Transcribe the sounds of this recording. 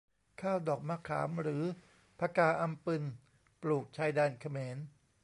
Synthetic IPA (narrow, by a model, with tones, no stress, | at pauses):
kʰaː˥˩wdɔː˨˩k̚ma˧˥˩kʰːa̰ː˩˦mɾɯː˩˦ | pʰaː˧kaː˧˩ʔa˧mpɯ˧n | pluː˨˩k̚t͡ɕʰaː˧jdaː˧nkʰa˧meː˩˦n